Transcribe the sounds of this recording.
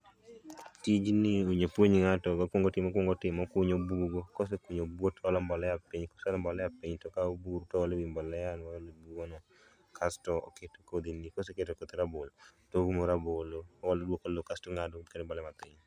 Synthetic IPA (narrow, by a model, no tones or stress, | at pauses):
tid͡ʒniuɲepwoɲŋatɔkakwoŋɡotɪmːkwɔŋɡɔtɪmːɔkʊɲobuɡokos̬ekuɲobwotɔlɔmbɔlɛjapiɲkɔ̥salɔmbɔlɛjapiɲtɔkaobuɾutɔɔlewimbɔlɛjanwalobuɡonɔ | kʰastɔɔ̰keto̥kod̪inikos̬eketokot̪iɾaboltoɡumoɾabolowɔlodwokolokastoŋadɔkedɛmbɔlɛmatɪɲ